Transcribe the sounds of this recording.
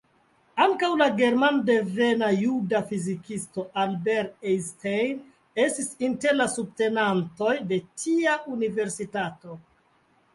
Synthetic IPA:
aŋkawlaɡe̞ɾmande̞ve̞najudafizikisto̞ʔalbeɾestejn | e̞stisinte̞ɾlasub̚te̞nanto̞jde̞tiaʔunive̞ɾsitato̞

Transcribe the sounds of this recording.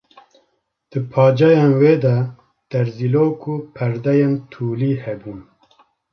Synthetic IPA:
d̪̥ɨpʰɑːd͡ʒɛjeːnweːd̪ɐ | d̪̥ɛɾziloːkʰuːpʰɛɾd̪ɛjent̪ʰuːliːhɛbuːn

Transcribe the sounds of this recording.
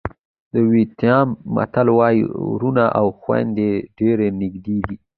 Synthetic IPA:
d̪̥əwit̪jɑmːa̰t̪alwɑjiɾunaʔawxwa̰nd̪eɖeɾenɪɡd̪iɡi

